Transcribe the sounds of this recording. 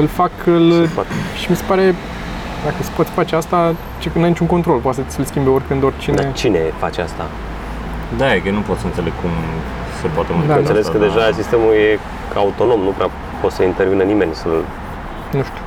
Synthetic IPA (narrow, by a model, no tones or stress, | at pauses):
ɨlfakɨlʃimise̞paɾe̞ | d̪akəse̥pot̪sʲfat͡ʃeast̪a | t͡ʃeknajnit͡ʃuŋko̞nt̪ɾo̞lpowat̪səsʲɨlskʲimbeo̞rʲkɨnd̪o̞rʲt͡ʃine̞t͡ʃine̞fa̰t͡ʃea̰st̪a̰ | d̪ajewnupo̞t̪səɨnt̪se̞leɡkʰum | sepoat̪eməd̪anelesskəd̪e̞ʒasist̪e̞muje̞ | aut̪o̞no̞mnupɾea | po̞t̪səint̪e̞rvinənime̞nʲsə | nuʃt̪u̥